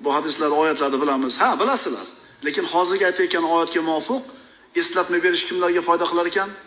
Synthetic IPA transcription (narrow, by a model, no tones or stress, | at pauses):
bʊhad̪ɪslaɾɒjat̪ʰlad̪ɪbɪlamɪz̥habɪlasɪla̰ɾ | le̞kʲɪnhɒzɪɾɡʲaajt̪ʰaekʲanɒjat̪̚kʲamʊɒfɨq | e̞slat̪̚majbe̞ɾɪʃkʲʰɪmlaɾɡʲafɒjd̪aqʰɨlˠaɾekʲʰan